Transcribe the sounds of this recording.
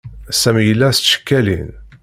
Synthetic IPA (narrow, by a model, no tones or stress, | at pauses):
sæmjəlːæsʃə̥kːælḭn